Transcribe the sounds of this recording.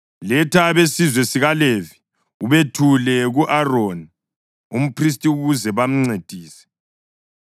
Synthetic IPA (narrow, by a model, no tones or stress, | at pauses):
lɛtʰaβesizwɛsiɣalevi | uβetʰulɛɣuʔaroːni | um̩pʰris̬tʼiuɣuzɛβam̩ŋ͡ǀed̥ʱiːsɛ̥